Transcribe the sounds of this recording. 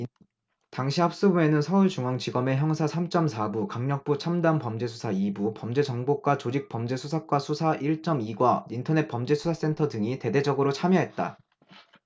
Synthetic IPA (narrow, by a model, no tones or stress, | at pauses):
taŋɕʰiap̚s͈ɯbue̞nɯnsʰʌuɭt͡ɕuŋʌŋt͡ɕiɡʌme̞çjʌŋsʰasʰamt͡ɕ͈ʌmsʰabukaŋɲʌk̚p͈ut͡ɕʰamdanpʌmd͡ʑe̞s̬ʰusʰaibupʌmd͡ʑe̞d͡ʑʌŋbok͈wat͡ɕod͡ʑik̚p͈ʌmd͡ʑe̞sʰusʰak͈wasʰusʰaʔiɭt͡ɕ͈ʌmiɡwaintʰʌne̞pʌmd͡ʑe̞sʰusʰas͈e̞ntʰʌdɯŋite̞de̞d͡ʑʌɡɯɾot͡ɕʰamjʌɦe̞t̚t͈a̰